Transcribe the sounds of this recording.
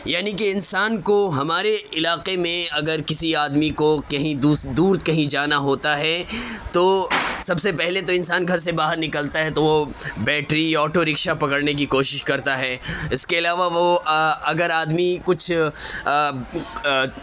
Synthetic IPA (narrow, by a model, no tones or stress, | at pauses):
jaːnik̬eɪnsaːnkoɦɐmaːɾeɪlaːqemẽɐɡəɾkɪsiaːd̪mikokɐɦĩd̪uːd̪uːɾkɐɦĩd͡ʒaːnaɦoːt̪aɦɛːt̪osɐbsepɛɦlet̪oɪ̃nsaːnɡʱɐɾs̬ebaːɦəɾnɪkəlt̪aɦɛt̪oʋobɛːʈɾiɔːʈoɾɪkʃapɐkəɽnek̬ikoːʃɪʃkɐɾt̪aɦɛːɪskeɐlaːʋaʋoɐɡəɾaːd̪mikʊt͡ʃʰ